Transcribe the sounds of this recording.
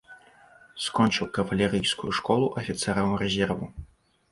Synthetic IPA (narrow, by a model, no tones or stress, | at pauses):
skɔnʲt͡ʂɨwkɐvɐlʲɛɾɨjskṵjuʂkɔlˠuʔɐfʲit̪sɛɾɐwɾɛzʲɛrvu